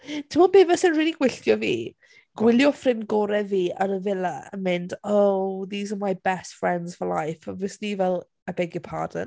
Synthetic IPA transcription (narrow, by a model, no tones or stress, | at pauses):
tʰɪmɔlˠbeːvəsənriːlˠiɡwɪɬtjɔvḭː | ɡ̥wɪljɔfrɪnɡɔːɾɛviːa̰ɾəvɪlˠaə̰mɪndowðiːzəmajbɛstfɹɛndz̥fəla̰jfavɪsnivɛlˠ | əbɛɡəpʰa̰ːdə̰n